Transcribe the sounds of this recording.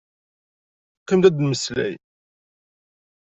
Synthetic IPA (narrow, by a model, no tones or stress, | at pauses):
qəmd̪æd̪məslæ̰j